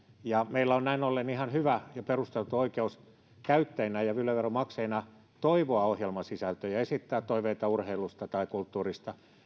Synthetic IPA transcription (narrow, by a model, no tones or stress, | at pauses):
jɑmeilːæonnæinolːenihɑnhyʋæjɑperust̪elt̪uoikeus | kæyt̪ːeinæjɑʋylːæʋeromɑkseinɑ | t̪oiʋoɑohjelmɑsisælt̪øjɑesit̪ːæːt̪toiʋeit̪ɑurheilust̪ɑt̪ɑikult̪ːuːrist̪ɑ